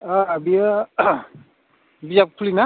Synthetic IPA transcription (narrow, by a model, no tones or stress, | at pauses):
aːbia | bijap̚kʰulina